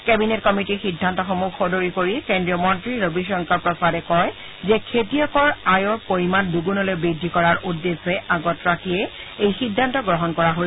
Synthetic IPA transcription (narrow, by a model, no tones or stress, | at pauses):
kɛbinetkɔmitixidʱːantɔxomukxɔdoɹikoɹikendɹiɔmɔntɹiɹobiʃɹɔŋkɔɹpɹɔsadɛkɔj | zɛkʰetijɔkɔɹajɔɹpoɹimanduɡunɔlojbɹidʱːikɔɹaɹʔudːesɛaɡɔtɹakiɛ | ejxidʱːantɔɡɹɔɦɔnkɔɹaɦo